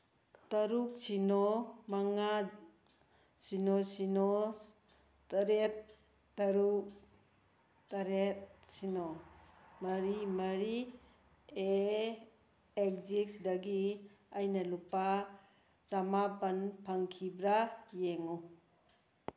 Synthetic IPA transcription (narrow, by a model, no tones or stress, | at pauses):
tɐɾuk̚sinɔmaŋa | sinosinɔ | tɐɾet̚ː | ɐɾuk | tɐɾet̚sino | mɐɾimɐɾi | e | ek̚zik̚sidɐɡi | ajnɐlupa | t͡ʃamapɐnpʰaŋkʰibɾajeŋu